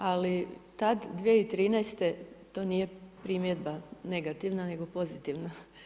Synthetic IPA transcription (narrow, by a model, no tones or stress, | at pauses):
alit̪ad̪d̪ʋieit̪ɾiːnɛjst̪e̞t̪o̞ːnije̞pɾimjed̪bane̞ɡat̪iʋnane̞ɡo̞po̞zit̪iʋna